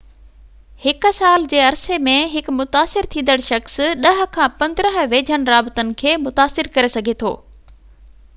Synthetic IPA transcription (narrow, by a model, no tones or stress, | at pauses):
hɪk̆saːld͡ʑeːɐɾsemẽɦɪkmʊt̪aːsɪɾt̪ʰĩːnd̪əɽ̃ʃɐxsɗɐɦ̆kʰãːpɐ̃nd̪ɾəɦ̆ʋeːd͡ʑʱənɪ̆ɾaːbɪt̪ənɪ̆kʰeːmʊt̪aːsɪɾkɐɾesɐɡʱet̪ʰo̰ː